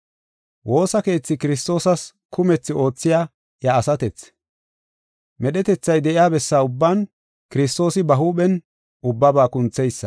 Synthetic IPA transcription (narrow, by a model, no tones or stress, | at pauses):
wʔo̞ːsɐke̞ːt͡sːɪkɪɾɪs̬t̪o̞ːsɐs | kʰʊmɛt͡sːɪʔo̞ːt͡sːɪjaː | jɐːsɐt̪ɛt͡s | mɛɗɛt̪ɛt͡sːɐjd̪ɛʔɪjaːbɛsːaːʊbːaːn | kɪɾɪst̪o̞ːsɪbɐɦuːɓɛn | ʊbːɐbaːkʊnt͡sːɛjsːɐ̥